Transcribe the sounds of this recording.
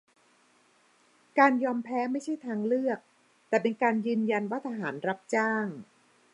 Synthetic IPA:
kaː˧njɔː˧mpʰɛː˦˥ma˥˩jt͡ɕʰa˥˩jt̪ʰaː˧ŋlɯ˥˩ək̚ | t̪ɛː˨˩pe˧nkaː˧njɯː˧nja˧nwaː˥˩t̪ʰa˧ɦaː˩˦nɾa˦˥p̚t͡ɕaː˥˩ŋ

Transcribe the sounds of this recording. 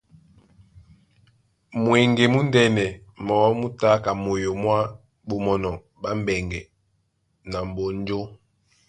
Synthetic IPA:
mwɛ˨ŋɡe˨mu˦ndɛ˦nɛ˨ | mɔ˨wɔ˦mu˦ta˦ka˨mo˨jo˨mwa˦ | ɓo˨mɔ˨nɔ˨ | ba˦m̩˦bɛ˨ŋɡɛ˨ | na˨m˨bo˨n˦d͡ʒo˦

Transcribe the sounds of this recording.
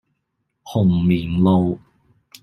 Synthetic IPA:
hʊ˨˩ŋmiː˨˩nlo˨˧w

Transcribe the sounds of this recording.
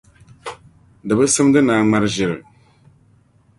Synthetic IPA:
dɨ˨bɨ˦sɨ˦mdɨ˦naː˨ŋ͡ma˦ɾʒɪ˨ɾɨ̰˨

